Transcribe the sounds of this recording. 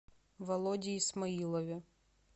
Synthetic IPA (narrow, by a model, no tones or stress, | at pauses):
vɐlˠɔdʲiːsmɐilˠɔvʲɪ